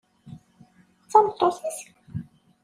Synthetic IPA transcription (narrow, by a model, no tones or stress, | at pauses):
t͡sːɑmt̪ˤːosis